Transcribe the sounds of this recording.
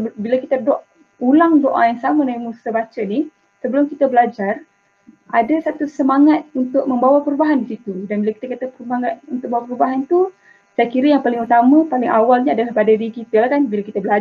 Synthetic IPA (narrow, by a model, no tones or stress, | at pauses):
bilakit̪ədɔʔ | ulaŋdoʔa̰jaŋsamadaimusabat͡ʃəni | səbəlʊmkit̪abəlad͡ʒar | adasat̪usəmaŋat̪̚unt̪ʊk̚mə̃mbawapəɾubaɦandisit̪udanbilaki̥t̪akat̪apəɾubaŋat̪unt̪ʊk̚bawapəɾubaɦant̪u | sajakiɾəjaŋpalɪŋut̪amãpalɪŋʔawalɲaadalahpadadikit̪əlahkanbilakit̪abəla